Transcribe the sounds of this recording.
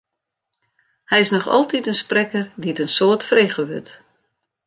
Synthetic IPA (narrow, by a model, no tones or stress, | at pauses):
hɛjɪsnɔxɔ̰lˠtʰitənsprɛkərdiətənsoətfreːχəʋø̰t